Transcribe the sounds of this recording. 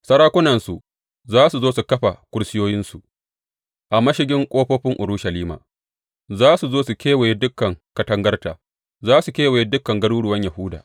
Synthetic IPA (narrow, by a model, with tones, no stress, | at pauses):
sɐ˦ɽaː˦kʷʊ˦nɐ˨nsu˨ | zaː˦su˨zoː˦su˨kɐ˦ɸa˨kʷʊ˦ɽsɪ˦joː˦jɪ˦nsu˨ | ʔa˨mɐ˦ʃɪ˦ɡʲɪ˦ŋkʷʼoː˦ɸoː˦ɸɪ˦ŋʔʊ˨ɾu˦ʃɐ˨liː˦ma̰ː˨ | zaː˦su˨zoː˦su˨kʲeː˦we˨je˦dʊ˦kːɐ˨ŋkɐ˨tɐ˦ŋɡɐ˦rtaː˨ | zaː˦su˨kʲeː˦we˨je˦dʊ˦kːɐ˨ŋɡɐ˦ɽuː˦ɽʊ˨wɐ˦ɲjɐ˨hʊː˦da̰ː˨